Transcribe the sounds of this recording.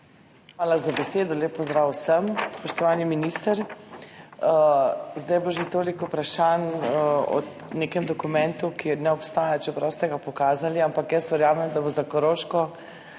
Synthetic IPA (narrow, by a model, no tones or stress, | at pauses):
xʋaːlazabɛseːd̪ɔleːpːɔzd̪ɾaːwsəmspɔʃt̪ɔʋaːniminist̪əɾ | əzd̪ajboʒet̪oːlikupɾaʃanɔ̰ | nekɛmd̪ɔkumɛ̃nt̪ukinɛɔpst̪aːjat͡ʃɛpɾawst̪ɛɡapɔkaːzaliampakjəsʋɛɾjaːmɛmd̪abozakɔɾoːʃkɔ